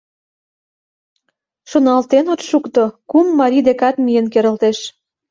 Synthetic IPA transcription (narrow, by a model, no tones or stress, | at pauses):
ʃonɑlt̪enot̪ʃukt̪okumːɑɾʲid̪ekɑt̪mijənkeɾə̆lt̪eʃ